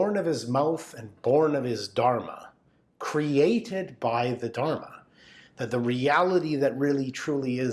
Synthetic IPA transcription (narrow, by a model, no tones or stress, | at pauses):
ɹnʌv̥ɨzmaʊθɨ̃nbɔɹnʌv̥ɪzdɑɹmə̰ | kʰɹ̥ieɪɾɪd̚baɪðɨdɑɹmə | ðɨt̪̚ðəɹiælˠəɾiðɨt̚ɹɪlˠitʰɹ̥ulˠiɪ